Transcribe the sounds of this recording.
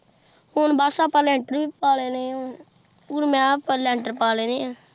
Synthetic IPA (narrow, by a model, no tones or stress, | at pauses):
hʊnbaːsaːpalɛːɳʈəɾiːpaːleːne | uːɾmɛ̃ːpəlɛɳʈəɾpaːleːneːa